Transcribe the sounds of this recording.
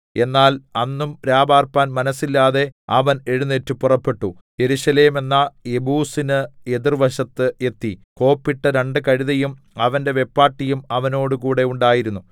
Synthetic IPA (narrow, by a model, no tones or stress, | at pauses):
e̞nːaːlɐnːumɾaːbaːrpaːnmɐnɐsːilːaːðe̞ɐʋɐne̞ɻunːetːupurɐpːe̞ʈːu | je̞ɾuɕɐle̞ːme̞nːɐebuːsinɨeðirʋɐɕɐt̪ːɨʔe̞t̪ːiko̞ːpːiʈːɐɾe̞ɳɖɨkɐɻiðɐjum | ɐʋɐnde̞ʋe̞pːaːʈːijumɐʋɐno̞ːɽɨkuːɽe̞uɳɖaːjiɾunːu